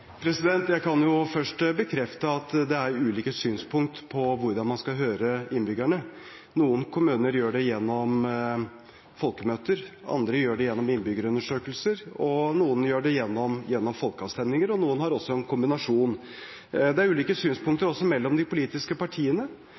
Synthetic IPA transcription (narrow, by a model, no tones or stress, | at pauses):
pʰɾɛsɪd̪ɛnt̪jæɪkʰɑnjʊfœʂʈbəkʰɾɛft̪əɑt̪d̪ɛæɾʉːliːkəsyːnspʰʊŋk̚t̪pʰɔʋʊɾd̪ɑnmɑnskɑɦøːɾəɪnbʏɡæɳə | nuːənkʰʊmʉːnəɾjøːɖɛjɛnːɔm | fɔlkəmøːt̪əɾɑ̰nd̪ɾəjøːɖɛjɛnːɔmɪnbʏɡəɾəʉnəʂøːkəlsəɾɔnuːənjøːɖɛjɛnːɔmjɛnːɔmfɔlkəɑʋst̪ɛnɪŋəɾɔnuːənhɑɾɔsːɔɛnkʰʊmbɪnɑʂuːn | d̪ɛæɾʉːliːkəsyːnspʊŋkt̪əɾɔsːɔmɛlːɔmd̪ɪpʊliːt̪ɪskəpɑʈʰiːənə